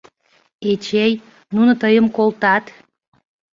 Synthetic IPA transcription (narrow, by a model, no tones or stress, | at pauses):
et͡ɕej | nunŏt̪əjəmkolt̪ɑt̪